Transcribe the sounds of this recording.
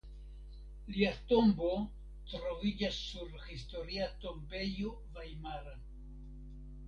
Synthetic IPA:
liato̞mbo̞ | tɾo̞vid͡ʒasːuɾhisto̞ɾiato̞mbe̞jo | vajmaɾa

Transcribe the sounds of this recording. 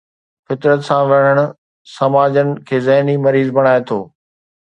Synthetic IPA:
fɪt̪ɾət̪sãʋɐɽ̤̃əɽ̃ʊ̆ | sɐmaːd͡ʑənɪ̆kʰeːzɐɦnimɐɾiːzbɐɽ̃aːet̪ʰoː

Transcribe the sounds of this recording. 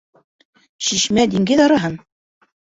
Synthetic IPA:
ɕiʃmæd̪iŋɡɘðɑɾɤ̆ɦɤn

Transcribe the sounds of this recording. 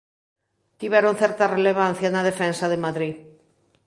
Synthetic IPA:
t̪iβɛɾon̟θɛɾt̪ɐreleβ̞an̟θjɐnɐð̞efɛnsɐðemaðɾi

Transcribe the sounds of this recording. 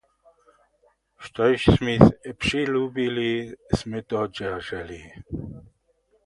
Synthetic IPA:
ʃt̪ɔjʃsmipʂilubilismɛt̪ɔd͡ʒɛʒɛli

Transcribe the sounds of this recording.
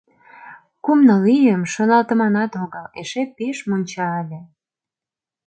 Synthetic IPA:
kumnəlijəmʃonɑlt̪ə̆mɑnɑt̪oɣəleʃepeʃmonʲt͡ɕɑəlʲe

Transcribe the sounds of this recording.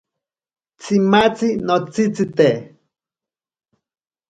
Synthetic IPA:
t͡simat͡sinot͡sit͡sit̪e

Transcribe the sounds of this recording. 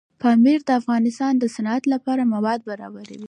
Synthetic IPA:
pɑmiɾd̪əafɣɑnɪst̪ɑnd̪əsanɑat̪lapɑɾamawɑd̪̚baɾɑ̰baɾa̰wi

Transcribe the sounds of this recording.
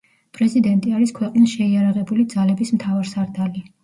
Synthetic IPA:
pʼɾɛzid̪ɛnt̪ʼiaɾiskʰwɛqʼnisʃɛiaɾaʁɛbulid̪zalɛbismt̪ʰavaɾsaɾd̪ali

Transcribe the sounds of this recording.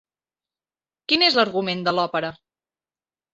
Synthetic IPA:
kinezləɾɣumend̪əlɔpəɾə

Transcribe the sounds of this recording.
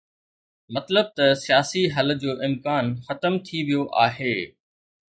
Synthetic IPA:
mɐt̪ləb̚t̪ɐsijaːsiɦɐld͡ʑoːʔɪmkaːnxɐt̪əmt̪ʰiʋijoʔa̰ːɦeː

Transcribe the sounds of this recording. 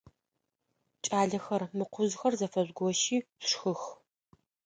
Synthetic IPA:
t͡ʃʼaːɮɐxɐrmɨqʷʰʊzxɐrzɐfɐzɡʷɔʃiːʂxɨx

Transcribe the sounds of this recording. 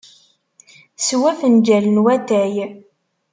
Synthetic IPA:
swæfənd͡ʒælənwæt̪æj

